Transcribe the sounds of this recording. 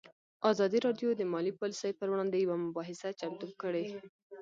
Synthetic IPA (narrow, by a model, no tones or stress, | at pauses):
ɑzɑd̪iɾɑɖjod̪əmɑlipɑlisəjpəɾwɽɑnd̪ejawamʊbɑɦɪsat͡ʃamt̪ub̚kəɽe